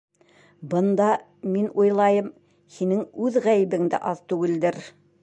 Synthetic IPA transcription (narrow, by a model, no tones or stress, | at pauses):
bɤ̆nd̪ɑ | menwojlˠɑjɤm | hinɘŋwʉðʁæjɘ̆bɘ̆ŋd̪ɪ̰ʔɑðt̪ʉɡɘ̆ld̪ɘɾ